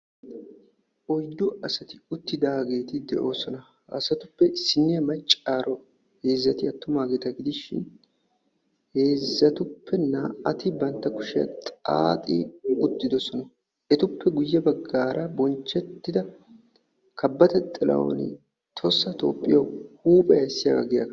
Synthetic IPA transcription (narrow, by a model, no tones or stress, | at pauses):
ʔɔjd̪ʊʔɐsɐt̪ɪʊt̪ːɪd̪aːɡe̞ːt̪ɪd̪ɛ̰ʔo̞ːsɔnɐ | ɐ̰sɐt̪ʊpːɛsːɪnːɪɐmɐt͡ʃʼːaːɾɔ | he̞ːzːɐt̪ɪɐt̪ːʊmaːɡeːt̪ɐɡɪd̪ɪʃɪ̰n | he̞ːzːɐt̪ʊpːɛnaːʔɐt̪ɪbɐnt̪ːɐkʊʃɪɐ̰t̪ʼa̰ːt̪ʼḭɡʊt̪ːɪd̪ɔsɔnɐ | ʔɛt̪ʊpːɛɡʊjːɐbɐɡːaːɾɐbɔnt͡ʃːɛt̪ːɪd̪ɐ | kʰɐbːɐt̪ɛt̪ʼɪlɐ̰wɔ̰nɪ̰ | t̪ʰɔsːɐt̪o̞̰ːpʼːɪjɐwhuːpʼɛɐjsːɪja̰ːɡɐ̰ɡɪjɐ̰k